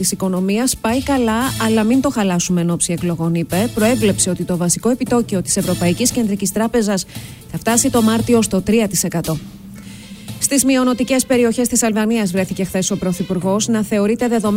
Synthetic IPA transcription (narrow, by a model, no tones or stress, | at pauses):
isiko̞no̞miɐspɐikɐlɐɐlɐmint̪o̞xɐlɐsumeno̞psie̞klo̞ɣo̞nipe̞pɾo̞e̞vle̞pse̞o̞t̪it̪o̞vɐsiko̞e̞pit̪o̞ciot̪i̥se̞vɾo̞pɐicisce̞nd̪ɾicist̪ɾɐpe̞zɐs | θɐft̪ɐsit̪o̞mɐɾt̪io̞st̪o̞t̪ɾiɐt̪ise̞kɐt̪o̞ | st̪izmio̞no̞t̪ice̞spe̞ɾio̞çe̞st̪isɐlvɐniɐzvɾe̞θicexθe̞so̞pɾo̞θipuɾɣo̞znɐθe̞oɾit̪e̞ðe̞ðo̞m